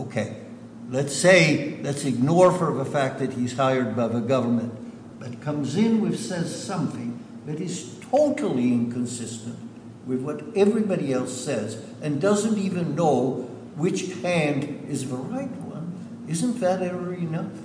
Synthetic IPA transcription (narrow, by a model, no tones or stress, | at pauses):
oʊkʰeɪ | lɨtseɪlɨtsɨɡ̚nɔɹfə˞ʌvəfæk̚t̪̚ðɨt̚hiz̥haɪə˞d̚baɪðɨɡʌvə˞mɨ̃n | b̥ʌt̚kʰʌ̃mzɪ̃nwɨfsɛz̥sʌ̃mθɪ̃ŋ | ðɨɾɨz̥tʰoʊɾl̩ˠiɪ̃nkʰɨ̃nsɪstɨ̃nt | wɨðwʌɾɛvɹibɑɾiɛlˠsɛz | ɨ̃ndʌzɨ̃ntivɨ̃nːoʊ | wɨt͡ʃhæ̃ndɨzʌvə˞aɪt̚wʌ̰̃n | ɪzɨ̃nðɨɾɛvə˞ɨnʌf